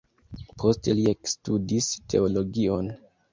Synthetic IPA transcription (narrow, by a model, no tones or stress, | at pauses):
pʰo̞ste̞liekstudistʰe̞̰olo̞ɡio̞n